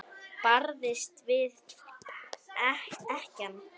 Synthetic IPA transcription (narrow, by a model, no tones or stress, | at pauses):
paɾðɪst̪vɪð | ɛhɛhcan